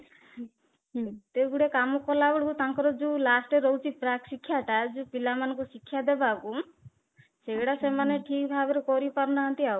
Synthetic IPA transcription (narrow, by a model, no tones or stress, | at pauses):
t̪eɡuɽekamɔkɔlabɔɽɔkut̪aŋkɔɾɔd͡ʒulasʈeɾɔɦut͡ʃʰipɾaksikʰːjaʈad͡ʒũpilamanɔ̃ŋkusikʰːjad̪ebaku | seɽasemaneʈʰikbʱabɔɾɔkɔɾipaɾnaɦɔnt̪iaw